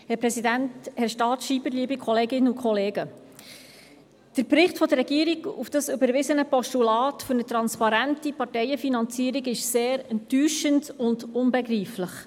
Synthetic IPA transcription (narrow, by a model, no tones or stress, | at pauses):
hɛɾpɾɛsidænthɛɾʃtɑːtʃiːbəɾliəbikʰɔleːɡɪnːəukʰɔleːɡə | d̥əɾpɾɪχtfɔdərːɛɡiːəɾiɡṵfd̥ɑsybəɾʋɪzənəpɔʃtulɑːtføɾnət̪ɾɑnspɑɾæntipɑrtɛjəfinɑnt͡siːɾiɡɪʃseːɾɛntːyːʃəndʊndʊnbɛɡriːfləχ